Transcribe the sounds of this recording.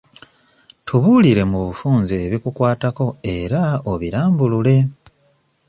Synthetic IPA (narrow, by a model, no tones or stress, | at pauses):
tʰuβuːliɾe̞muβufuːnziːβikukwaːtako̞e̞ɾaoβiɾaːmbulule̞